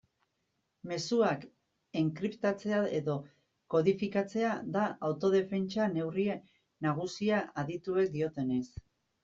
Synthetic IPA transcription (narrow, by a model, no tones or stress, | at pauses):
me̞suak | eŋkɾipt̪at͡se̞ae̞ðo̞ | ko̞ðifikat͡se̞aðaʔawt̪o̞ð̞e̞fe̞nt͡ʃane̞wrie | naɣ̞usiaaðit̪ue̞k̚d̪io̞t̪e̞ne̞s